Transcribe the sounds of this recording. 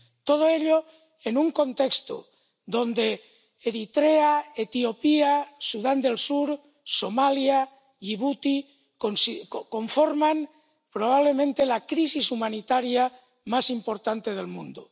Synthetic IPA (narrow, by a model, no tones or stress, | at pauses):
t̪o̞ð̞oe̞ʎo | enuŋko̞nt̪e̞kst̪o̰ | ðo̞nd̪e̞ː | ɾit̪ɾeaet̪io̞piasuðand̪e̞lsuɾ | somalja | iβut̪i | konsiko̞ɱfoɾman | pɾoβ̞aβ̞le̞mẽnt̪elakɾisisumãnit̪aɾja | masimpo̞ɾt̪ant̪e̞ð̞e̞lmũnd̪o̰